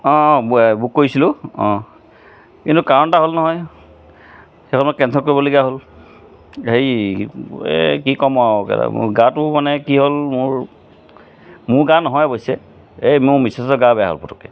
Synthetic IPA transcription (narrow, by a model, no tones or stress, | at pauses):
ɔ̃bukːoɹisilʊɔ̃ | kintukaɹɔntaɦolnɔɦɔj | xekʰɔnmɔkɛntʰɔkoɹibɔleɡiaɦol | hej | ḛkikɔmɔakɛ̰la̰ɡãtʊmanɛkiɦolmʊɹ | mʊɹɡãnɔɦɔjbojsɛ | emmisestɔɡãbɛja̰ɦo̰lpɔtʰɔ̥kɛ̰